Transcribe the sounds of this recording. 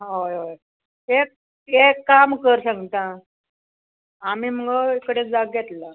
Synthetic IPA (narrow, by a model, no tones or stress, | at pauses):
ɦojɦoj | ek̚ | ekːamkəɾsãŋɡt̪ã | am̤iːm̤əɡəekəɽet͡sd͡zaɡjɛt̪la